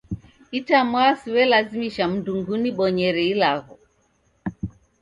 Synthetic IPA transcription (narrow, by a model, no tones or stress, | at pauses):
itamwasiwɛlazimiʃam̩nduŋɡuniɓɔɲɛɾɛilaɣɔ